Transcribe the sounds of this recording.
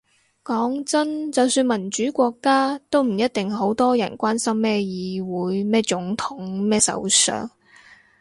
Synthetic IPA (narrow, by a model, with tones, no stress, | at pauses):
kɔː˨˥ŋt͡sɐ˥nt͡sɐ˨wsyː˧nmɐ˨˩nt͡ʃyː˨˥kʷɔː˧kːaː˥t̪o˥wm̩˨˩jɐ˥t̚t̪ɪ˨ŋɦo˨˥wt̪ɔː˥jɐ˨˩nkʷaː˥nsɐ˥mːɛː˥˩jiː˨˧wuː˨˥jmɛː˥t͡sʊ˨˥ŋt̪ʰʊ˨˥ŋmɛː˥sɐ̰˨˧˥wsœ̰ː˨ŋ